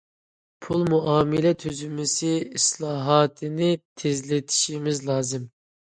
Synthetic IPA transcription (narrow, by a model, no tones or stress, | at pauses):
pʰulˠmuɑːmɪlɛt̪ʰøzymɪsɪislˠɑːɦɑːt̪ʰɨnɪt̪ʰezlɪt̪ʰi̥ʃimɪzlˠɑːzɨm